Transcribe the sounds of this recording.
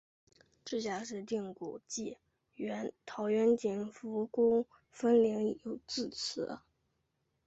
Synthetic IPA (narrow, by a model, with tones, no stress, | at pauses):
ʈ͡ʂ̩˥˩ɕja˥ʂɻ̩˥˧t̪i˥˩ŋkṵ˨˩t͡ɕi˥˩ | ɥɛ˧˥nt̪ʰɑ˧˥ʊɥɛ˧˥nt͡ɕi˧˩nfu˧˥kʊ˥ŋ | fə˥nli˧˥ŋi˨˩jo˨˩ʊt͡sɹ̩˥˩t͡s̩ʰ˧˥ə˧